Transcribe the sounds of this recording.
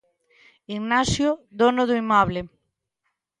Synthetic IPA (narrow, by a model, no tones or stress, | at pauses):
iɡnasjʊd̪onʊðʊimɔβlɪ